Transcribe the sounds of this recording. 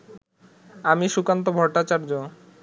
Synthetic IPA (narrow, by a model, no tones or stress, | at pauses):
amiʃukant̪̬obʱɔʈːat͡ɕaɾd͡ʑo